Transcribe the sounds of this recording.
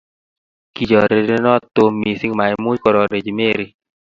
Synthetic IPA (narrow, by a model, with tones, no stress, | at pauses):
ki˨d͡ʒɔ˨ɾe˨ɾe˦nɔ˦t̪o˧mi˨si˦ŋma˨ɪ˨mu˦d͡ʒkɔ˨ɾɔ˨ɾe˨d͡ʒi˨me˦ɾi˦